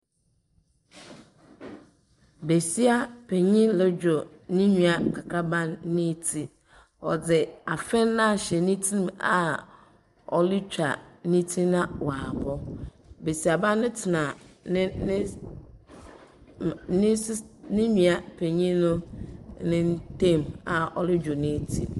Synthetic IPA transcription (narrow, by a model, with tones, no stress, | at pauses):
be˨si˦a˦pʰe˨ɲĩ˦lɛ˦d͡ʑᶣo˨nĩ˦ɲĩ˨a˨kʰa˨kʰa˦bã˦nːɪ̃˦tʰi˦ | ɔ̰˨d͡zɪ˨a˨fɛ̃˦nːã˦˨ɕɛ˨nĩ˦tʰĩ˦ma˨ | ɔ˨li˦t͡ɕᶣa̰˨nĩ˦tʰĩ˦nã˦wa˨bɔ˦ | be˨si˨a˨bã˦nːɪ̃˦tʰɪ˨nã˨nɪ̃˦ | nɪ̃˦snɪ̃˦ɲĩ˨a˨pʰe˨ɲĩ˦nʊ̃˦nɪ̃˦n˦tẽ˦˨ma˨ɔ˨lɪ˦d͡ʑᶣo˨nɪ̃˦tʰḭ˦